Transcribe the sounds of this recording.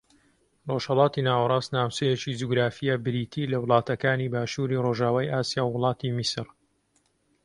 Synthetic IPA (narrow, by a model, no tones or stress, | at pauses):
roʒ̥hɐlɑːt̪inaːwɐɾˤɑːsnaːwt͡ʃejet͡ʃid͡ʒuɡɾaːfijabɨɾiːt̪ʰilɐwlˠɑːt̪ɐkaːnibaːʃuːɾiroʒaːwaːjaːsijaːwːʊlˠɑːt̪ʰimisɨɾ